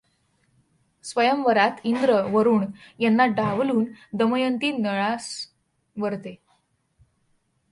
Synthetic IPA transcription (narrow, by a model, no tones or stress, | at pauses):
sʋəjəmʋəɾat̪ind̪ɾəʋəɾuːɳjanːaɖaʋluːnd̪əməjənt̪iːnəɭas | ʋəɾt̪e